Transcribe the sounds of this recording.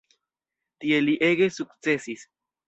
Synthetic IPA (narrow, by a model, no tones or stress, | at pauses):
t̪ieliʔeɣesukt͡sesis